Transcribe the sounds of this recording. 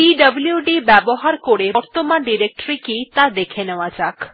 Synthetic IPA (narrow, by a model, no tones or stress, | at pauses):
iɖəbljuɖibɛboɦaɾkoɽeɔɾt̪omãɖiɾek̚ʈɾikit̪ad̪ekʰenəʋãd͡ʒak